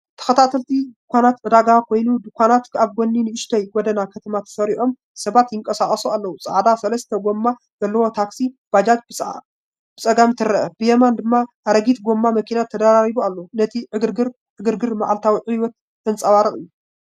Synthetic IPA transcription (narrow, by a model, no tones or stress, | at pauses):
t̪ʰɐ̥xɐt̪ʰat̪ʰɐlt̪ʰid̪ɨkʷʰanat̪ʕɨd̪aɡakʰojnud̪ɨkʰʷanat̪kʰaβɡonːinɨʔɨʃt̪ʰɐjɡɔd̪ɐnakʰɐt̪ʰɐmat̪ʰɐ̥sɐɾiʔo̞m | sɐβat̪jɪŋkʼɐsakʼɐsualːɐwusʼa̰ʕd̪asɐlɐst̪ʰɐɡo̞mːa | zɐlːɐwo̞t̪ʰaksib̥ad͡ʒat̪̚bɨ | b̥ɨt͡sʼɐɡamt̪ʰɨɾɐʔɐb̥ɨjɛmand̪ɨmːa | aɾɐɡit̪ɡo̞mːamɐkʰinat̪ʰːɐd̪aɾaɾibualːonɐt̪ʰiʕɨɡɨɾɡɨɾ | ʕɨɡɨɾɡɨɾma̰ʕalt̪ʰawiʕiwɔt̪̚ | ɨnt͡sʼɐwaɾɨχʼɨjːu